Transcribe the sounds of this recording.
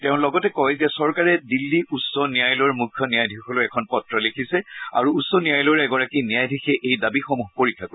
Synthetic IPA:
tɛʊ̃lɔɡɔtɛkɔjzɛsɔɹkaɹɛdilːiutsɔnijajlɔɹmukʰːjɔnijajdʱixɔloɛkʰɔnpɔtɹɔlekʰisɛa̰ɹuːsɔnijajlɔɹɛɡɔɹakinijajdʱixɛʔejdabixomuɦpoɹikʰːako

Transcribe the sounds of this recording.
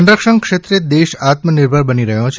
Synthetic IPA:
ɳɖɾəkʃənkʃet̪ɾed̪eʃat̪məniɾbʱəɾbəniɾəɦjõt͡ʃʰ

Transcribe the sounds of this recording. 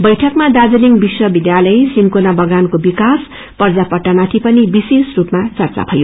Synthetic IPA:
bʌjʈʰʌkmad̪ad͡zʌliŋbiswʌbid̪jalʌjsinkonabʌɡankobikas | pʌrd͡zapʌʈːamat̪ʰipʌnibisesrupmat͡sʌrt͡sa̰pʰʌjo

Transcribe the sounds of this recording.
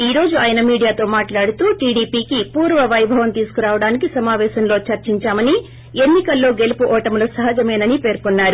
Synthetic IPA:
iːɾo̞ːd͡ʒuaːjɐnɐmiːɽijaːt̪o̞ːmaːʈlaːɽut̪uːʈiːɽiːpiːkipuːɾʋɐʋɐjbʱɐʋɐmt̪iːsu̥kuɾaːʋɐɽaːnikisɐmaːʋɛːʃɐmlo̞ːt͡ʃɐɾt͡ʃiɲt͡ʃaːmɐni | e̞nːikɐlːo̞ːɡe̞lupuʔɔːʈɐmlusɐɦɐd͡ʒɐmeːnɐnipe̞ːɾkunːaːɾu

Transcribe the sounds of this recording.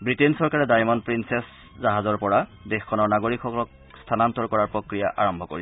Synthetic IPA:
bɹitensɔɹkaɹɛdajmɔnpɹinsɛs | zaɦazɔɹpɔɹadexkʰːɔnɔɹnaɡoɹikʰːɔkɔlɔk̚ | stʰanantɔɹkɔɹaɹpɹokɹija̰ʔa̰ɹɔmbʱɔko̰ɹi

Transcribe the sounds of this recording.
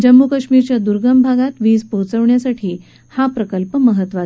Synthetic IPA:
d͡ʑəmːukəɕmiːɾt͡ɕjad̪uɾɡəmbʱaɡat̪ʋiːspot͡səʋɳjasaʈʰiː | hapɾəkəlpəməɦət̪ːʋa

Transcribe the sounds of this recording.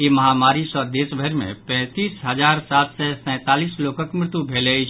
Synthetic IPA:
emɐɦaːmaːɾisɔd̪eːsbʱəɾmḛ̃pɛ̃ːt̪iːsɦɐzaːɾsaːt̪sɛsɛ̃ːt̪aːliːsloːkəkmɾɪt̪ubʱeːlei

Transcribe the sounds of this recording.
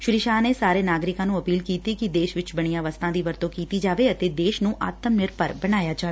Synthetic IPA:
ʃʊɾiːʃaːneːsaːɾeːnaːɡɾɪkãːnũːəpiːlkiːt̪iːkɪd̪eːʃʋɪt͡ʃbəɽ̃ijãːʋəst̪ʰãːd̪iːʋəɾt̪õːkiːt̪iːd͡ʒaːʋeːət̪eːd̪eːʃnũːʔa̰ːt̪əmnɪɾpəɾbəɽ̃aːjaːd͡ʒaːʋe

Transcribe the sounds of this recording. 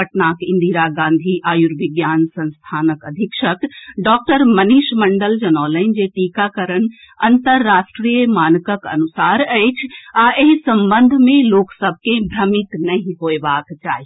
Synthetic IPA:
əʈnaːkɪ̃nd̪ʱiɾaɡãːnd̪ʱiʔaːjuɾʋɪɡjaːnsɐ̃nst̪ʰaːnəkɐd̪ʱikʃəkɖɔːk̚ʈəɾmɐniːʃmɐɳɖəld͡ʒɐnɔːləɪnd͡ʒeʈiːkakɐɾən | ɐnt̪əɾːaːʃʈɾiːjəmaːnkəkɐ̰nusaːɾɛːt͡ʃʰaːʔeɦsɐ̃mbə̃nd̪ʱmẽloːksəb̚ʱkẽbʱɾɐmɪt̪nɐɦĩɦoːebaːkt͡ʃaːɦi

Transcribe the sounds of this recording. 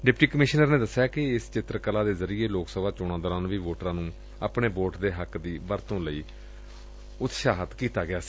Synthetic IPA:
ɖɪpʈiːkəmɪʃnəɾneːd̪əsːjaːkɪɪst͡ʃɪt̪ɾəkəlaːd̪eːzəɾiːeːloːksəbaːt͡ʃʊɽ̃ãːd̪əːɾãːnʋiːʋoːʈɾãːnũː | əpɳeːboːʈd̪eːɦəkd̪iːʋəɾt̪õːləiː | ʊt̪ʃaːɦət̪kiːt̪aːɡɪaːsi̥ː

